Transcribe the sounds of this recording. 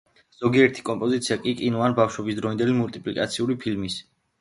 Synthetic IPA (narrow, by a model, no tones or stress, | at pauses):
z̥ɔɡiɛɾt̪ʰi̥kʼɔmpʼɔzit̪sʰiakʼikʼinuanbafʃwɛbisd̪ɾɔind̪ɛlimult̪ʼipʼlikʼa̰t̪sʰiuɾipʰilmis